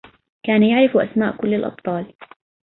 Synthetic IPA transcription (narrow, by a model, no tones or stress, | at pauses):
kaːnajaʕɾɪfʔa̰smaːʔkʊlːalʔɑ̰b̪̚t̪ˤɑːl